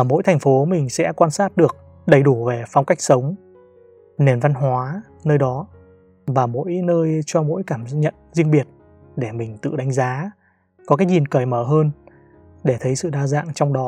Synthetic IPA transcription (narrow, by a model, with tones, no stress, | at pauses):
mo̰˧˥jt̪ʰa˨˩ŋ̟fo˨˦mï˨˩ŋ̟sɛ̰˧˥kwaː˧nsaː˦˥t̚ɗɨ˨˩ək̚ | ɗə˨˩jɗu˧˩ve˨˩fa˧wŋ͡mka˦˥k̚sə˨˦wŋ͡m | ne˨˩nva˧nɦwaː˨˦ | nəː˧jɗɔ˨˦ | vaː˨˩mo̰˧˥jnəː˧jt͡ɕɔ˧mo̰˧˥jkaː˧˩mɲə̰˧˨nzi˧əŋɓi˨˩ət̚ | ɗe˧˩mï˨˩ŋ̟t̪ɨ̰˧˨ɗa˨˦ŋ̟zaː˨˦ | kɔ˨˦kaː˨˦k̚ɲi˨˩nkəː˧˩jməː˧˩ɦəː˧n | ɗe˧˩t̪ʰə˨˦jsɨ̰˧˨ɗaː˧za̰ː˧˨ŋt͡ɕɔ˧wŋ͡mɗɔ˨˦